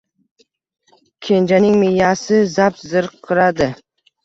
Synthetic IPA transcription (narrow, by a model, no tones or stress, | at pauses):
kʲʰend͡ʒanɪŋmejasɪzapzɨɾqʰːɨɾad̪ɪ